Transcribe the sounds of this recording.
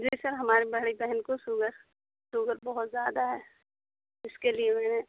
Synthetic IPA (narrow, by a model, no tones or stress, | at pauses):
d͡ʒiːsɐɾɦɐmaːɾibɐɽibɛɦɛnkosʊɡəɾ | sʊɡəɾbɐɦʊt̪zjaːd̪aɦɛː | ɪskeliemɛːne